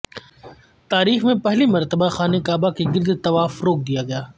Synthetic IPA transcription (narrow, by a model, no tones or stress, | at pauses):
t̪aːɾiːxmẽpɛɦlimɐɾt̪əbaxaːnekaːbakiɡɪɾd̪t̪ɐʋaːfɾoːk̚d̪ijaɡɐjaː